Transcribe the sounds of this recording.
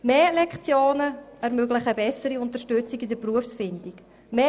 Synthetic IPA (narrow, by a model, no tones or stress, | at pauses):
meːlɛkχt͡sjoːnəɛɾmøɡlɪχəbɛsəɾiʊntəɾʃtʏt͡siɡidəpruəfsfɪndik | meː